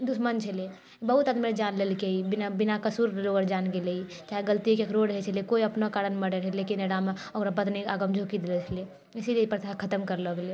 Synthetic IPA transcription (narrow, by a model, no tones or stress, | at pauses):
d̪usmənt͡ʃʰele | bəɦut̪ad̪mid͡ʒanlelkeibinabinakəsuɾloəɾd͡ʒanɡelei | t͡ʃaɦiɡəlt̪iokekɾoɽəɦɛt͡ʃʰəlekoiəpnakaɾənməɽeɾəɦɛlekineɽameokɾabəd̪neaɡəmd͡ʒʱokid̪elɛt͡ʃʰəle | isiliepəɾt̪ʰakʰət̪əmkəɾləɡle